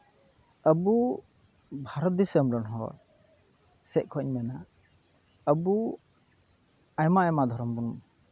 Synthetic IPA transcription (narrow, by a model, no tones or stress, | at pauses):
əbu | bʱaɾɔt̪̚d̪isɛmbɾɔnɦɔ̰ɾ | sɛʔ̚kʰɔɲmɛna | əbu | ajmajmad̪ʱɔɾɔmbun